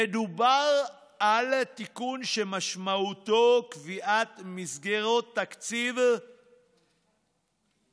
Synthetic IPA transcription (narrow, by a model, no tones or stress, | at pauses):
ed̪ubaʁ | alt̪ikunʃemaʃmaut̪okviʔat̪misɡeʁo̞t̪ːakt͡siv